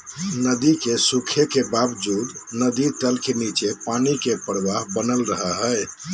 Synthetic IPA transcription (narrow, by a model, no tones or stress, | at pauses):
nəd̪ikesukʰekebabd͡ʒud̪nəd̪iʈəlkenit͡ʃepanikepəɾʋaɦbənəlɾəɦəɦəj